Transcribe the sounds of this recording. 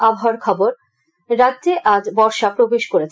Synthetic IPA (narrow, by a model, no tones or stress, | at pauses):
abʱɦaaɾkʰɔboɾ | ɾad̪d͡ʑeʔad͡ʑbɔɾʃapɾobeʃkoɾet͡ɕʰ